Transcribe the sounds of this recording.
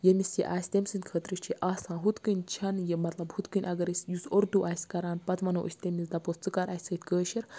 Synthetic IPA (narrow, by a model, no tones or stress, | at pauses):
jemʲisjḛʔaːsʲt̪emʲsɨnʲkʰəːt̪ɾɨʃt͡ʃʰiʔaːsãːɦut̪kɨnʲt͡ʃʰɐnjemɐt̪lɐbhut̪kɨnʲʔɐɡɐɾɨsʲjusoɾd̪uːʔaːsʲkɐɾaːnpɐt̪mɐnoːʔɨ̰sʲt̪emʲizd̪ɐpost͡sɨkɐɾʔaːsʲsɐt̪ʲkəːʃiɾ